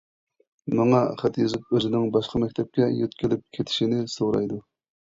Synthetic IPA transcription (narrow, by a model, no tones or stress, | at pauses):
mɑŋɑχæt̪jzɪp̚øzɪnɪŋbɑʃqʰɑmɛkʲt̪ʰɛp̚kʲɛjøt̪kʲilɪp̚kʲʰet̪ʰɪ̥ʃinɪsoɾɑ̰jd̪u